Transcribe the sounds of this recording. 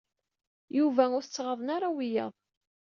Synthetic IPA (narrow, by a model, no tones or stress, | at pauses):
juvæʊɾθt͡sːʁəðˤənaɾˤawijɑ̰ðˤ